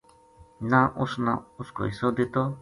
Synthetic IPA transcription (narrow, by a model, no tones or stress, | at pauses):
nãʔusna̰usko̰isod̪it̪o